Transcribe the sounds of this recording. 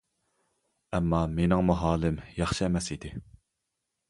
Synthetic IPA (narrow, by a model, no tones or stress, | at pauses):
ɛmːɑmenɪŋmuɦɑːlˠɪmjɑχʃiɛmɛsid̪ɪ